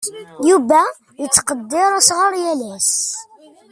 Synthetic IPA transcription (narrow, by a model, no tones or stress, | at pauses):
juvæ | jət͡sːqəd̪ːɪɾˤæsʁəɾjælæs